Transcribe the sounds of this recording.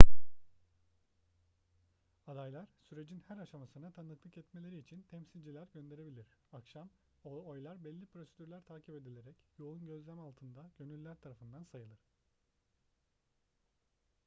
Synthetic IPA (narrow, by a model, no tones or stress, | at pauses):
ad̪ajlˠaɾ̥syɾe̞d͡ʒinhæɾaʃamasɯnat̪ʰanɯk̪lˠɯkɛt̪me̞lʲe̞ɾiːt͡ʃʰint̪ʰɛmsilʲd͡ʒilʲæɾɟønd̪e̞ɾe̞bilʲiɾ̥akʃam | ojlˠaɾbɛlʲːipɾo̞sed̪yɾlʲæɾt̪ʰaːcʰipe̞d̪ilʲe̞ɾɛcjo̞unɟø̞zlʲæmalˠt̪ʰɯnd̪aɟ̥ø̞nylʲːæɾt̪ʰaɾafɯnd̪ansajɯlˠɯɾ̥